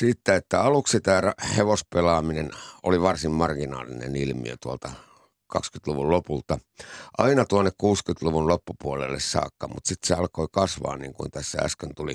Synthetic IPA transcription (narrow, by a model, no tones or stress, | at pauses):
siːt̪ːæet̪ːæɑluksit̪æːrɑheʋospelɑːmineno̰liʋɑrsimmɑrɡinɑ̰ːlḭnḛnilmḭø̰t̪uolt̪ɑ | kɑkskyt̪luʋullopult̪ɑ | ʔɑinɑt̪uonːekkuːskyt̪luʋunlopːupuolḛlːessɑ̰ːkːɑmṵt̪sit̪seɑlkoikɑsʋɑ̰ːnniːŋkṵint̪æsːæ̰æ̰skønt̪uli